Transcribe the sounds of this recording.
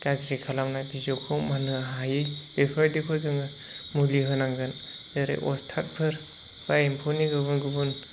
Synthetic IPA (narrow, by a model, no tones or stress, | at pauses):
ɡ̥azɾikʰalamnajbizɔkʰɔwmanɯɦajɯjb̥epʰaɾdikʰɯzɯŋɯ | muliɦɯnaŋɡɯn | jaɾḛjʔɔstʰat̚pʰɯɾ | b̥ajimpʰoniɡɯbɯnɡubɯn